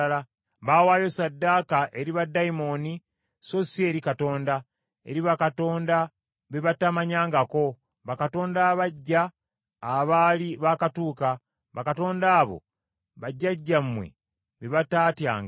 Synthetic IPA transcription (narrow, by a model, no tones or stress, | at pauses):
la | βawaːjosadːakaʔe̞ɾiβadːaimo̞ni | so̞sie̞ːɾikato̞ːnda | e̞̰ɾiβakato̞ːnda | βeβatamaɲaːŋɡako̞ | βakato̞ːndaβaɟːaː | βaliβakatuːka | βakato̞ːndaːβo̞̰ | βaɟːaɟːammːwe̞̰ | βeβataːtja̰ːŋɡa